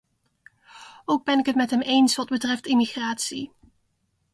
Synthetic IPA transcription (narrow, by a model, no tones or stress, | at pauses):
owɡ̚bɛnɪkɦətmɛtɦɛmʔejnsʋɑd̚bətrɛftɪmiχraːtsi